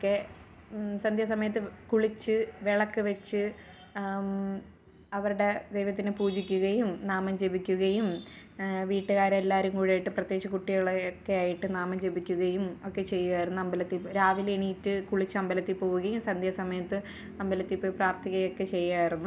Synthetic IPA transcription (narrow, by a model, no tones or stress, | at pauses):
okːe | sɐnd̪ʱjɐsɐmɐjɐt̪̬ːɨkuɭit͡ɕːɨʋeɭɐkːɨʋet͡ɕːɨ | ɐʋɐɾuɽe̞d̪e̞jʋɐt̪ːinɨpuːd͡ʑikʲːuɣɐjumnaːmɐmd͡ʑe̞bikʲːuɣɐjum | ʋiːʈːɨɣaːɾɐelːaːɾumkuːɽaːjiʈːɨprɐt̪ːje̞kɕɐkuʈːiɣɐɭkːe̞aːjiʈːɨnaːmɐmd͡ʑe̞bikʲːuɣɐjumo̞kːe̞t͡ɕe̞jːuɣaːjiɾunːuɐmbɐlɐt̪ːilpɾaːʋileɳiːtːɨkuɭit͡ɕːɨɐmbɐlɐt̪ːipo̞ːɣuɣɐjumsɐnd̪ʱjɐsɐmɐjɐt̪ːɨ | ɐmbɐlɐt̪ːipːoːjpraːrt̪ʰiɣɐjo̞kːe̞t͡ɕe̞jːaːjiɾunːu